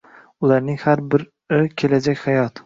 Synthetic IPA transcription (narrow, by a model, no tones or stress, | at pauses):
ʊlˠaɾnɪŋhaɾbɪɾ | ɪkʲʰe̞lad͡ʒakʲhajɒt̪